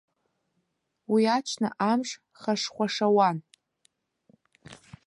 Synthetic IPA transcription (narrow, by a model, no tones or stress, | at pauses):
wiat͡ʃʷʰna̰ʔamʐ | χaʂχʷaʂawan